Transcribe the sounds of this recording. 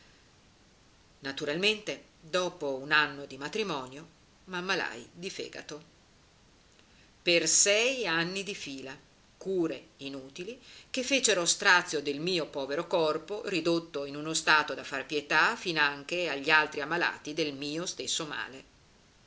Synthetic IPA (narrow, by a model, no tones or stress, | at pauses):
nat̪uɾalment̪e | d̪ɔːpounanːod̪imat̪ɾimɔːnjo | mamːala̰jd̪ifḛːɡa̰t̪o | persɛjanːid̪ifiːla | kuːɾeinuːt̪ilikefːeːt͡ʃeɾost̪ɾat̪sːjod̪elmiːopɔːveɾokɔrporid̪ot̪ːoinunost̪aːt̪od̪afarpjet̪afinaŋk̟eaʎːialt̪ɾiamːala̰ːt̪id̪elmiːost̪esːoma̰ːle